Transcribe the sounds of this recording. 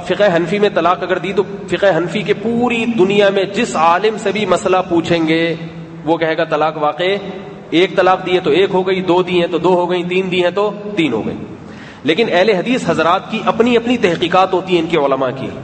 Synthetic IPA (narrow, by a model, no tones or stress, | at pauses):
fɪqɦɐnfimẽt̪ɐlaːqɐɡəɾd̪it̪ofɪqɦɐnfikepuːɾid̪ʊnijamẽd͡ʒɪsaːlɪmsebʱimɐslapuːt͡ʃʰẽːŋɡe | ʋokɛɦeːɡat̪ɐlaːqʋaːqe | eːk̚t̪ɐlaːqd̪iːɛ̃t̪oeːkɦoɡɐid̪oːd̪iɦɛ̃t̪od̪oːɦoɡɐit̪iːnd̪iɦɛ̃t̪ot̪iːnɦo̰ːɡɐ̰ḭ | leːkɪnɛɦleɦɐd̪iːsɦɐzɾaːt̪kiʔɐpniɐpnit̪ɛɦqiːqaːt̪ɦoːt̪iɦɛ̃ɪnkeʊləmakḭ